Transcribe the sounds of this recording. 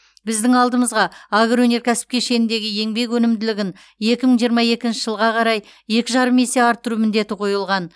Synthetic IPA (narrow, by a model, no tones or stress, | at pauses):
bɪzd̪ɪŋɑlˠd̪əməzʁɑaɡɾwɵne̞ɾkʲʰæsɪ̥p̚kʲe̞ʃe̞nɪnd̪e̞ɡʲɪje̞ŋbe̞kwɵnɪmd̪ɪlɪɡʲɪn | je̞kʲɪməɴʒijəɾmɑje̞kʲɪnʃɪʒəlˠʁɑqʰɑɾɑj | je̞kʲɪʒɑɾəme̞se̞ɑɾt̪ʰːʊɾumɪnd̪e̞t̪ɪqʰo̞jəlˠʁɑn